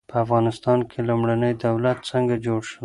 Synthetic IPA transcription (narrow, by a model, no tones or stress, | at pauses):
pəafɣɑnɪst̪ɑnkʰelumɽanəjd̪awlat̪̚t͡səŋɡad͡ʒoɽʃəw